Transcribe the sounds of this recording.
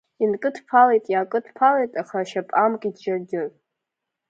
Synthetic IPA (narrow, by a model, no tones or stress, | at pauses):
inkʼɨtʰpʰalejtʼjaːkʼɨtʰpʰalejtʼaχaʃapʼamkʼidd͡ʒarɡʲɪr